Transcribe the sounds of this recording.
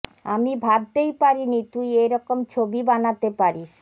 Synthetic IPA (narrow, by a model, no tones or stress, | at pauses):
amibʱab̚t̪ejpaɾinit̪ujejɾɔkomt͡ɕʰobibanat̪epaɾiʃ